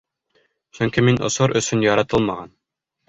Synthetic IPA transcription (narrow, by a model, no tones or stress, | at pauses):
sɵŋkiminŏ̰soɾʔɵ̆sɵnjɒɾɑt̪ɤlˠmɑʁɑn